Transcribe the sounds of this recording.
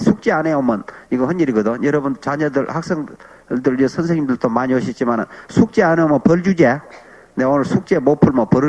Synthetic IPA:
sʰuk̚t͡ɕ͈eaneomɯniɡʌhʌnd͡ʑeɾiɡʌdojʌɾʌbunt͡ɕaɲʌdɯɭhak̚s͈eŋ | dɯɭɯsʰʌnsʰeŋɲimnd̪ɯɭt͈omaɲioɕʰit͡ɕ͈imanɯ̰nsʰuk̚t͡ɕ͈eaneomʌnpʌɭd͡ʑud͡ʑe | neonɯɭsʰuk̚t͡ɕ͈emopʰuɭmʌpʌɾɯ

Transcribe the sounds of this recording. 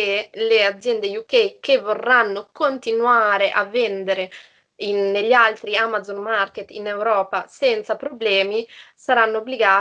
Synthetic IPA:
elead̪zjɛnd̪ejukejkevːorːanːokont̪inwaːɾeʔavːend̪eɾe | inːeʎːalt̪ɾiamad̪zonmarket̪ːinewɾɔːpasɛnt̪sapɾoblɛːmisaɾanːoobːliɡaː

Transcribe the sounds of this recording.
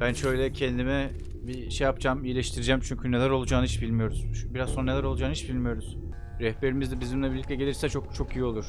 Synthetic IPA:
b̥ænʃø̞jlʲɛcʰɛnd̪imɛ | biʃejapd͡ʒamijlʲɛʃt̪ʰiɾid͡ʒæmt͡ʃʰyɲcʰynelʲæɾo̞lˠud͡ʒaːnɯhit͡ʃbilʲmijo̞ɾuz̥biɾazonɾanlʲæɾo̞lˠud͡ʒaːnit͡ʃbilʲmijo̞ɾuz̥ | ɾɛhbe̞ɾimizd̪ɛbizimlʲɛbilʲic̚tlʲɛɟelʲiɾsɛt͡ʃʰokt͡ʃʰo̞kijiolˠuɾ̥

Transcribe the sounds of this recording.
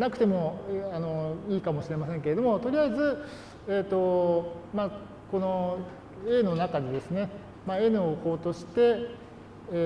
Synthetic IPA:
nakɯ̟t̪e̞mo̞ano̞iːkamo̞ɕiɾe̞masẽ̞ŋke̞ɾe̞d̪o̞mo̞t̪o̞ɾʲiaizɨ | eːt̪ːo̞ma | ko̞no̞ | eno̞nakad̪e̞d̪e̞sɨne̞ | mae̞nɯoko̞ːt̪o̞ɕi̥t̪e̞

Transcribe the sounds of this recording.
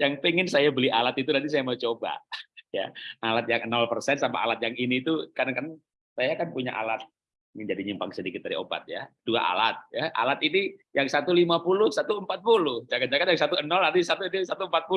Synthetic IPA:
jaŋpeŋɪnsajabəlialat̪it̪udad̪is̬ajamat͡ʃoba̰ja̰alat̪̚jaŋənɔlpərsɛnsampa̰a̰lat̪̚jaŋiniːt̪ukarkan | sajakanpuɲa̰ʔa̰lat̪̚ | ŋɪnd͡ʒadiɲimpaŋsədikɪt̪̚daɾio̰ba̰t̪̚ja̰d̥ua̰ʔa̰lat̪̚jaʔa̰lat̪inijaŋsat̪ulimapulʊhsat̪uəmpat̪̚pulʊhd͡ʒaɡat̪̚d͡ʒaɡat̪̚jaŋsat̪uənɔlardisat̪uinisat̪uəmpat̪̚pu

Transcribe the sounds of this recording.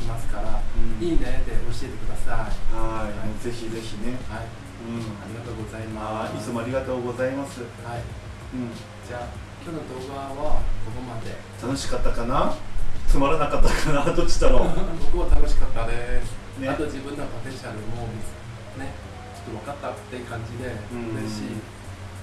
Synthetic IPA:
imasɨ̥kaɾa̰ɯ̟̃iːd̪ed̪eo̞ɕie̞t̪e̞̥kɯ̟d̪asaihaianoze̞çize̞çine̞hai | ɯɯ̟̃ɴaɾʲiɡat̪oːɡo̞zaimaisomoaɾʲiɡat̪o̞ːɡo̞zaimasɨhai | ɯ̟̃ɴ | d͡ʑaː | kʲo̞nod̪o̞ːɡaβakokomad̪e̞ | t̪ano̞ɕi̥kat̪ːakanat͡sɨmaɾanakat̪ːakʰanad̪ot͡ɕːi̥t̪aɾobokɯ̟βat̪anoɕi̥kat̪ːad̪e | ne̞at̪od͡ʑibɯ̟̃nːopopeɕaɾɯ̟ois | ne | t͡ɕot̪ːoβakat̪ːḁt̪ːeɯ̟kãɲ̟d͡ʑid̪ẽ̞ɯɾeɕiː

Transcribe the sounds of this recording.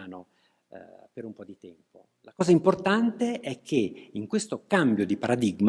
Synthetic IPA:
no | peɾumpɔd̪it̪ɛmpo̰ | lakɔːzaimport̪ant̪eʔɛkʰːeiŋkwest̪okambjod̪ipaɾad̪iɡm

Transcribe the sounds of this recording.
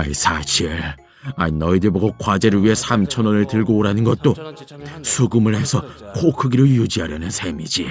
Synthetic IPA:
aisʰaɕʰiɭ | a̰inʌidɯɭbʌɡokwad͡ʑe̞ɾɯɭɥiɦe̞sʰamt͡ɕʰʌnonɯɭtɯɭɡoːɾanɯnɡʌt̚t͈o | sʰuɡɯmɯɭhe̞sʰʌkokʰɯɡiɾɯɭjud͡ʑiɦaɾjʌnɯnsʰe̞mid͡ʑi

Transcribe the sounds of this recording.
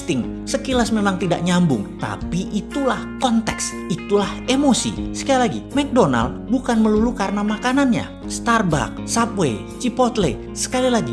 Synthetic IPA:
t̪ɪŋ | səkilasmemaŋt̪ida̰ʔ̚ɲambʊ̰ŋt̪a̰piʔit̪ulahkɔnt̪ɛks | it̪ulahemosḭsə̥kajalaɡḭmɛk̚dona̰l | bukanməlulukaɾənamakananɲa̰ | st̪arba̰k̚sapwe | t͡ʃipɔt̪le | sə̥kalilaɡi

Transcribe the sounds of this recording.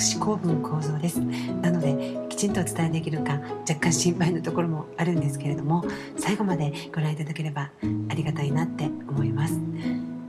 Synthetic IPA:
ɕi̥ko̞ːbɯ̟̃ŋkʰo̞ːzo̞ːd̪e̞sɨ̥nano̞d̪e̞kʲi̥t͡ɕĩnt̪o̞t͡sɨ̥t̪aeɯd̪e̞kʲiɾɯ̟kãd͡ʑakːãɰ̃ɕĩmpainot̪o̞ko̞ɾo̞mo̞aɾɯ̟̃nd̪e̞sɨ̥ke̞ɾe̞d̪o̞mo̞ | saiɡo̞mad̪e̞ | ɡ̥o̞ɾãɰ̃it̪ad̪ake̞ɾe̞baːɾʲiɡat̪ainat̪ːe̞o̞mo̞imasɨ̥

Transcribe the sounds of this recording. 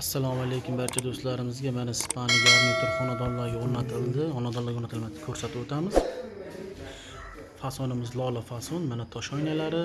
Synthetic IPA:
asːalˠɒmalejkʲʰʊmbaɾt͡ʃʰad̪ost̪laɾɪmɪzɡʲamanaspʰaniɡaɾnɪk̪ʰʊɾχɒnad̪ɒllːaɾɡʲaoɾnat̪ʰɪlˠd̪ɪχɒnad̪ɒlːˠaɾɡonat̪ʰɪlmakʰɵɾsat̪ɪbot̪ʰamɪz̥ | fasɒnɪmɪzlˠɒlˠafasɔnmanat̪ʰɒʃɒjnalaɾɪ

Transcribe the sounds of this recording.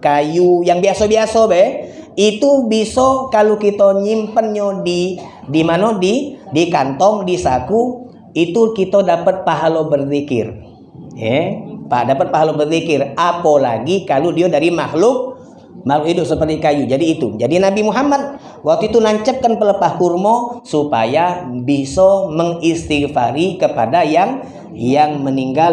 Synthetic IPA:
kajujaŋbiasobiasobɛhit̪ubisokalukit̪oɲimpənɲodi | dimanodidikant̪ɔŋdisaku | it̪ukit̪odapət̪̚paɦalobərt̪ikɪ̰r | jɛpa̰dapət̪̚paɦalobərt̪ikɪrapolaɡikaludiodaɾimaxlʊk̚ | mahlʊkhidʊp̚səpərt̪ikajud͡ʒadiːt̪ud͡ʒadinabimuɦamat̪̚ | wak̚t̪uit̪ulaɲt͡ʃəp̚kːanpələpahkurmosupa̰jabisoməŋist̪ifaɾikəpadajaŋ | jaŋməniŋɡa

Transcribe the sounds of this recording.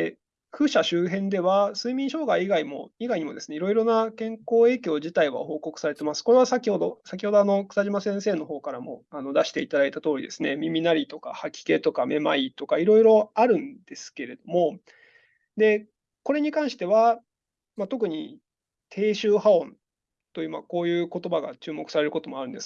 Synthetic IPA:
ɸɯ̟ɕaɕɨːɦẽ̞nd̪e̞βasɨimʲĩɰ̃ɕo̞ːɡaiːɡaimo̞̰iɡaiɲ̟imo̞d̪e̞sɨneiɾo̞iɾo̞nakẽ̞ŋko̞ːe̞ːkʲo̞ːʑit̪aiβa̰ho̞ːko̞kɯ̟saɾe̞t̪e̞masɨ̥ko̞ɾe̞βasakʲiho̞d̪o̞sak̬ʲiho̞d̪o̞ano̞kɯ̟̥saʑimasẽ̞ɰ̃se̞ːno̞ɦo̞ːkaɾamo̞̰ano̞d̪aɕi̥t̪e̞it̪ad̪ait̪at̪o̞ːɾʲḭd̪e̞sɨne̞mʲimʲinaɾʲit̪o̞ka̰hakʲi̥ke̞t̪o̞kamʔe̞ma̰it̪o̞kaiɾo̞iɾo̞aɾɯ̟̃nd̪̥e̞sɨ̥ke̞ɾe̞d̪o̞mo̞ | d̪e̞ | ko̞ɾe̞ɲ̟ikãɰ̃ɕi̥t̪e̞βa | mat̪o̞kɯ̟ɲ̟i | t̪ʰe̞ːɕɨːhaõ̞n | t̪o̞jɯ̟ːma̰ko̞ːjɯ̟ːko̞t̪o̞baɡat͡ɕɨːmo̞kɯ̟saɾe̞ɾɯ̟ko̞t̪o̞mo̞aɾɯ̟̃nd̪e̞s

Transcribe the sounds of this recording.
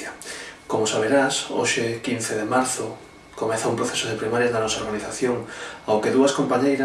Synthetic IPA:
akomosaβeɾaso̰ʃekin̟θeðemaɾθʊ | komɛθaumpɾoθesʊð̞epɾimaɾjad̪anɔsaoɾɣaniθaθjoŋawkeðuɐskompaɲejɾa

